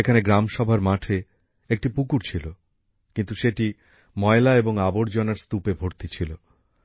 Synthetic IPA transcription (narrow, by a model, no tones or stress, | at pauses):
ekʰaneɡɾamʃɔbʱaɾmaʈʰe | ek̚ʈipukuɾt͡ɕʰilo | kint̪uʃeʈi | mɔelaeboŋaboɾd͡ʑonaɾst̪upebʱoɾt̪it͡ɕʰilo